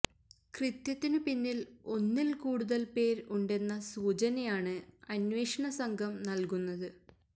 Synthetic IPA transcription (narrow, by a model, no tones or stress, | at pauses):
krɨt̪jɐt̪ːinɨpinːilo̞nːilkuːɽuðɐlpe̞ːɾuɳɖe̞nːɐsuːt͡ɕɐnɐjaːɳɨɐnʋeːʂɐɳɐsɐŋɡʱɐmnɐlkunːɐðɨ